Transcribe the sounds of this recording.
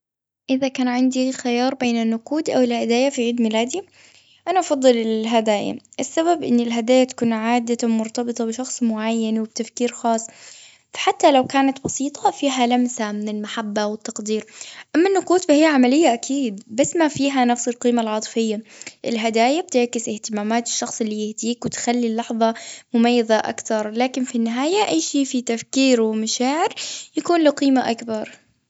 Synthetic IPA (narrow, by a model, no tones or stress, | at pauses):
ʔɪðakaːnʕɪnd̪ixajɑːɾˤbeːnɪnːʊquːd̪ʔawɪlhad̪aːjafiʕiːd̪mɪlaːd̪i | ʔanaʔɑfɑðˤːɨlɪɦad̪aːja̰ʔɪsːaβabʔɪnːɪlɦad̪aːjat̪ḁkuːnʕaːd̪awmʊɾt̪ɑbɨt̪ˤɑbɪʃɑxsˤmʊʕajːanwɪb̚t̪afkiːɾxɑːsˤː | fḁħat̪ːalawkaːnat̪bɑsiːt̪ʰˤɑfiːɦalamsamɪnɪlmaħabːawɪt̪ːɑqd̪iːɾʔamːanːʊquːt̪fahɪjːaʕamalɪjːaʔakʰiːd̪̚basːmafiːɦanafsɪlqiːmalʕɑt̪ˤfɪjːaʔɪlɦad̪aːjab̚t̪ɪʕkɪsɪht̪ɪmaːmaːt̪ɪ̥ʃːɑxsˤɪlːijɪhd̪iːkwɪt̪xalːilːɑħðˤɑmʊmajːɪðaʔa̰kt̪ɑɾˤlaːkɪnfinːɪɦaːjaʔajːʃeːʔfit̪afkiːɾwɪmaʃaːʕɪɾjakuːnlɪqiːmaʔakbɑɾˤ